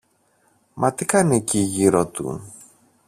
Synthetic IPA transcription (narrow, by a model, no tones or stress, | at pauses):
mʔɐt̪ikɐneciʝiɾot̪ṵ